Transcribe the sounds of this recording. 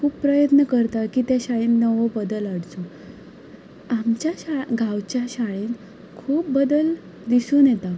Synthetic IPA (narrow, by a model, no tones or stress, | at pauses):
kʰuːpːɾəjət̪nəkəɾt̪akiːt̪jaɕaɭiːnːəʋəbəd̪əlaɽt͡so | amt͡ɕjaɕaɡʱãwt͡ɕjaɕaɭiːn | kʰuːp̚bəd̪əl | d̪isuːnjɛt̪a